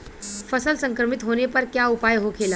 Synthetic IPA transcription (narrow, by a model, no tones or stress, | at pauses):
fəsəlsə̃ŋkɾəmit̪ɦoñepəɾkjaupajɦokʰela